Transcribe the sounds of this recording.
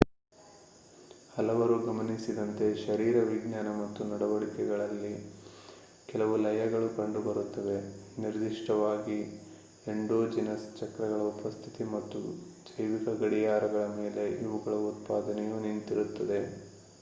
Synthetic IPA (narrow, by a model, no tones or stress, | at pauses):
hɐlɐʋɐɾuɡɐmɐnisid̪ɐnt̪e̞ʃɐɾiːɾɐʋiɡɲjaːnɐmɐt̪ːunɐɽɐʋɐɭikɛɡɐɭɐlːi | kɛlɐʋulɐjɐɡɐɭukɐɳɖubɐɾut̪ːɐʋe̞niɾd̪iʂʈɐʋaːɡi | eɳɖoːd͡ʒinɐst͡ʃɐkɾɐɣɐɭɐupɐst̪ʰit̪imɐt̪ːṵd͡ʒɐjʋikɐɡɐɽijaːɾɐɡɐɭɐme̞ːle̞ʔiʋuɡɐɭɐut̪paːd̪ɐnɛjuːnint̪iɾut̪ːɐd̪e̞